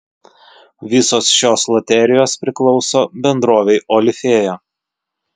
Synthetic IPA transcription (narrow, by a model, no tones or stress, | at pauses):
ʋʲɪsoːsʃʲoːslˠɐt̪ʲɛɾʲɪjoːspʲɾʲɪklˠɒʊsoːbʲɛnd̪ɾoːʋʲɛɪʔɔlʲɪfʲeːjo